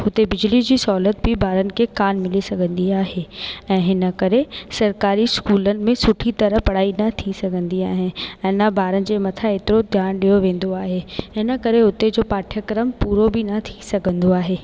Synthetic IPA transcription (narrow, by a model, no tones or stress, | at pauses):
ɦʊt̪ebɪd͡ʑlid͡ʑiːsɔːlət̪̚bɪbʱaːɾənɪ̆kʰekaːnmɪlisɐɡʱə̃nd̪iaːɦeɛ̃ːɦɪnəkɐɾesɐɾkaːɾiskuːlənɪ̆mẽsʊʈʰit̪ɐɾəɦpɐɽ̤aːinɐt̪ʰisɐɡʱə̃nd̪iaːɦɪnɪɛ̃ːnɐbʱaːɾənɪ̆d͡ʑeːmɐt̪ʰaeːt̪ɪɾod̪ʱjaːnɗijoʋẽːn̆d̪oaːɦeɦɪnə̆kɐɾeɦʊt̪ed͡ʑoːpaːʈʰjəkɾəmpuːɾobʱɪnɐt̪ʰisɐɡʱə̃nd̪oaːɦeː